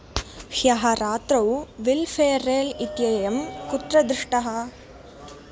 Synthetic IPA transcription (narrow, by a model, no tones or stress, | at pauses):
hjɐɦɐɾaːt̪ɾɐwʋilfʰeːɾeːlit̪jɐjɐmkut̪ɾɐd̪ɾɪʂʈɐɦɐ